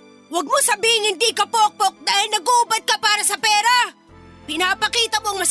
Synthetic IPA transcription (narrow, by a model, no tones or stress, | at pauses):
wɐɡ̚mosɐbiːhɪŋhɪnd̪ikɐpok̚pok̚d̪aːhɪlnɐɡobat̪̚kapaːɾɐsɐpɛːɾa | pɪnaːpɐkiːt̪ɐmoɐŋmɐs